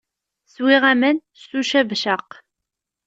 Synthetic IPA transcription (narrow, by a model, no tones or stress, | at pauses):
swɪʁæmən | suʃævʃəq